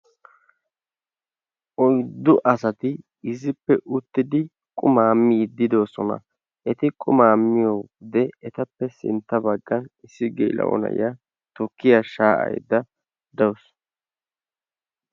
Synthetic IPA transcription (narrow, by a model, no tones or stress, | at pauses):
ʔɔjd̪ːʊʔɐsɐt̪ɪ | ɪzɪpːɛʔʊt̪ːɪd̪ɪ | kʼʊmaːmːiːd̪ɪd̪o̞ːsɔnɐ̰ | ʔɛt̪ɪkʼʊmaːmːɪjowd̪ɛɛt̪ɐpːɛsɪ̰nt̪ːɐbɐɡːɐnɪsːɪɡḛːlɐ̰ʔɔ̰nɐ̰ja | t̪ɔkːɪjaʃaːʔɐ̰jd̪ɐ | d̪ɐws